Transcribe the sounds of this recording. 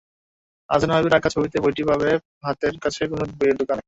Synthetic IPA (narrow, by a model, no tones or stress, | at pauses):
a̰d͡ʑʱanaɦabiɾakʰat͡ɕʰobit̪ebojʈibʱaβe | ɦat̪eɾkat͡ɕʰekonobojeɾd̪okana